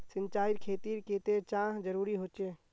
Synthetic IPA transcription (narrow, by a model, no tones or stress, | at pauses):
sɪ̃nt͡ʃaːɪɾkʰeːt̪iːɾkeːt̪et͡ʃãːɦd͡ʒəɾuːɾiɦoːt͡ʃeː